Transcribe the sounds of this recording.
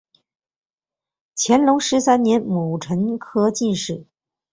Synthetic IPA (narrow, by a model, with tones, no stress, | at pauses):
t͡ɕʰjɛ˧˥nlʊ˧˥ŋʂɻ̩˧˥sa˥nnjɛ˧˥nmu˨˩ʈ͡ʂʰə˧˥nkʰɤ˥t͡ɕi˥˧nʂɻ̩˥˩